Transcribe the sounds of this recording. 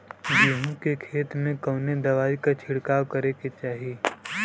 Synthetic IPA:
d͡ʒuːɦũkekʰeːt̪mẽkɐːned̪ɐʋaːikat͡ʃʰɪɽkaːʋkɐɾeket͡ʃaːɦieː

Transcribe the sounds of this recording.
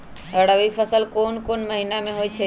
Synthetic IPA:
əɽəʋipʰəsəlkoːnkoːnməɦinamẽɦoit͡ʃʰe

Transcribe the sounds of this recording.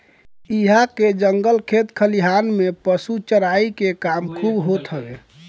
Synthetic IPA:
iɦaked͡ʒəŋɡəlkʰet̪kʰəliɦanmepəsut͡ʃəɾaikekamkʰubɦot̪ɦəbe

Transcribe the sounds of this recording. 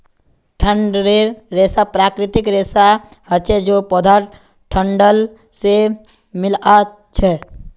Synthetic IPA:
ʈʰə̃ɳeɾeːsapɾaːkɾɪt̪ɪkɾeːsahət͡ʃɛd͡ʒopɔd̪ʱaː | ʈʰə̃ɳɖəl | se | mɪla | t͡ʃʰɛː

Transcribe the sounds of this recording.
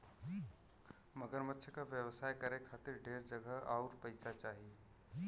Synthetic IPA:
mɐɡəɾmət̪ːʃʰəkaʋjəʋsaːjkɐɾekʰaːt̪ɪɾɖʱeːɾd͡ʒɐɡəɦaːɾpɐɪsat͡ʃaːɦie

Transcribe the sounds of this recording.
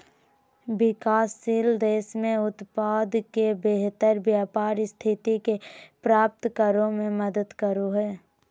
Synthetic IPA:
bɪkaːsːiːld̪eːsmẽʊt̪paːd̪kebeɦt̪əɾbjaːpaːɾst̪ʰɪt̪ikepɾaːp̚t̪kəɾõmẽməd̪əd̪kəɾoɦɛː

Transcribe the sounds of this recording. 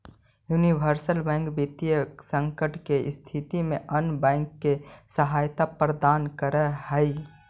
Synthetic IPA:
junibʱəɾsəlbɛ̃ːŋkbit̪jəksə̃ŋkəʈkeɪst̪ʰit̪imẽʔənbɛ̃ːŋkːesəɦaːjt̪apɾəd̪aːnkəɾɛhəɪ

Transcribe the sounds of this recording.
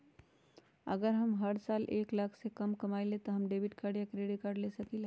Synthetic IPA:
ə̰ɡəɾɦəmɦəɽsalʔeklakʰsekəmkəmaɪlet̪ɔɦəmɖebiʈkaɾɖijakɾeɽiʈ̚kaɾɖlesəkile

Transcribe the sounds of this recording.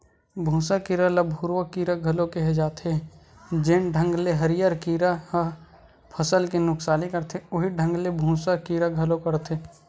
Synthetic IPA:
bʱũːsakiːɾaləbʱuɾwəkiːɾaɡʱɐlõkeɦed͡ʒaːt̪ʰẽ | d͡ʒɪnɖʱə̃ŋɡleɦəɾijaɾkiːɾah | pʰəsəlkenʊksaːlikəɾt̪ʰeʊɦiɖʱə̃ŋɡlebʱũːsakiːɾaɡʱəlokəɾt̪ʰe

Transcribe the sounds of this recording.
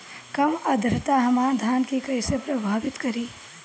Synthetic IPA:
kɐmɐd̪ʱɾɪt̪aɦɐmaːd̪ʱaːnkikɐisepɾɐbʱaːʋɪt̪kɐɾiː

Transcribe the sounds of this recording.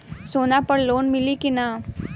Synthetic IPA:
soːnapəɽloːnmɪlikinaː

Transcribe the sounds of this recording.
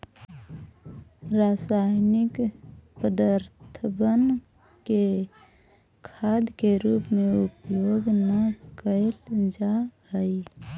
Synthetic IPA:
ɾasaːɦnɪkpəd̪aɾt̪ʰəbən | ke | kʰaːd̪keɾuːpmẽupjoːɡnəkəeld͡ʒahəi

